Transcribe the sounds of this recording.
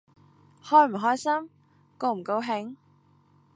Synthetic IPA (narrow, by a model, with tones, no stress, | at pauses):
hɔː˥jm̩˨˩ɦɔː˥jsɐ˥m | ko˧wm̩˨˩ko˧˥wɦɪ˨˧˥ŋ